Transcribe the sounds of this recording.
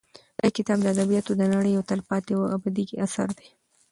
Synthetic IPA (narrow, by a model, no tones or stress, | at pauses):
ajkɪt̪ɑb̚d̪əad̪abijɑt̪od̪ənaɽəjawt̪alpɑt̪ewabad̪iɡiasa̰ɾd̪e